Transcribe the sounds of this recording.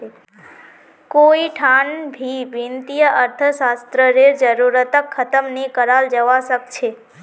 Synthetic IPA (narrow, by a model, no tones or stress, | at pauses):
koiʈʰanbʱiʋint̪ijəʔəɾt̪ʰəsast̪ɾəɾeɾd͡ʒəɾuɾət̪əkʰːət̪əmnekəɾald͡ʒəʋasəkt͡ʃʰe